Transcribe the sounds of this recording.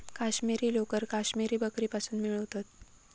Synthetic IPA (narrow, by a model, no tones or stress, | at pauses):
kaɕmiɾiːlokəɾkaɕmiɾiːbəkɾiːpasuːnmiɭəʋt̪at̪̚